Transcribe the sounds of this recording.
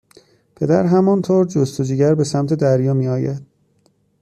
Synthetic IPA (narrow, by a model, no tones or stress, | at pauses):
pʰe̞d̪æɾɦæmɒnt̪ʰoːɾd͡ʒost̪od͡ʒiːɟæɾbe̞sæmt̪ʰe̞d̪æɾjɒːmiːɒːjæd̪̥̚